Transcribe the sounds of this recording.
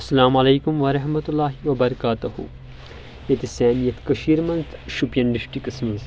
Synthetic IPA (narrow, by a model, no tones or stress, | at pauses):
ɐsːɐlaːmɐleːkumʋɐɾɐɦmɐt̪ulːaːɦiʋɐbɐɾɐkaːt̪uhṵ | et̪esɛːnijɐt̪kɐʃiːɾmɐnzʃupjɐnɖiʃʈikɐsmɐz